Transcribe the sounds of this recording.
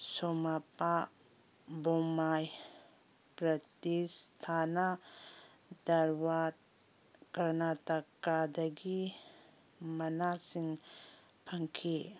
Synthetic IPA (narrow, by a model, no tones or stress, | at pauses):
somapa | bɔmaj | pɾɐtistʰana | dɐɾwat̚ | ɡ̥ɐɾnatɐkadɐɡi | mɐnasiŋ | pʰɐŋkʰi